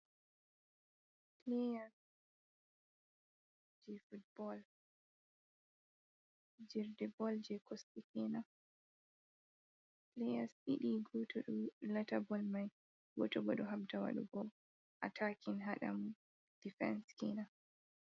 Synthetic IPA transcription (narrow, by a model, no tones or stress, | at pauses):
plejas | d͡ʒɛfut̚bɔl | d͡ʒiɾdɛbɔld͡ʒɛkʰɔstikina | plejasiɗiɡɔtɔɗulɛtabɔlmaj | ɡɔ̰tɔɡɔɗɔɦab̚dawa̰ɗṵbɔ | ʔa̰tʰakʰinɦaɗa̰mu | d̥ifɛ̰nskina